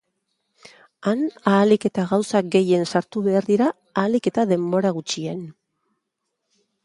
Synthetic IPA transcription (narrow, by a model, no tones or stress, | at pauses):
anaːlike̞t̪aɣawsaɡe̞je̞nsaɾt̪uβe̞aɾðiɾaː | like̞t̪aðe̞mbo̞ɾaɣut͡ʃie̞n